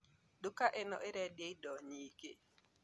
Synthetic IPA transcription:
dukaʔenɔ̰ʔeɾɛdjeidɔɲikḛ

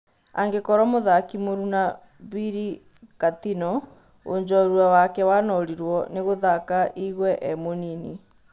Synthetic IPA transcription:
a̰ŋɡekɔɾɔmoðakimoɾuna | βiɾi | kat̪inɔ | o̰ɲd͡ʑɔɾuawakɛwanɔɾiɾwɔneɣoðakaʔiɣwɛʔɛmonini

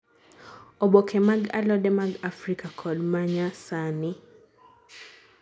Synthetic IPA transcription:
ɔbɔkʰɛmaɡa̰lɔdɛmaɡafɾikakʰɔlmaɲasani

